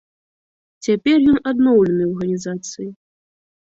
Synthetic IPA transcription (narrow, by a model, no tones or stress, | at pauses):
t͡sʲapʲɛrjɔnad̪nɔwlʲɛnɨarɣɐnʲizat̪sɨji